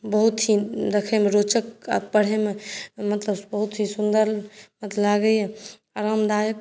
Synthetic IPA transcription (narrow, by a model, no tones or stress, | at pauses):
bəɦut̪ɦid̪ekʰemeɾot͡ʃəkapəɽ̤ɦememət̪ləbbəɦut̪ɦisund̪əɾmət̪laɡəje | aɾamd̪ajək